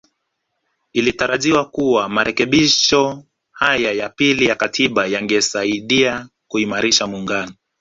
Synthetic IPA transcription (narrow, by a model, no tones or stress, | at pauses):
ilitaɾaʄiwakuwamaɾʔɛkɛɓiʃɔ | hajajapilijakatʰiɓajaŋɡɛsaiɗia | kuimaɾiʃamuŋɡanɔ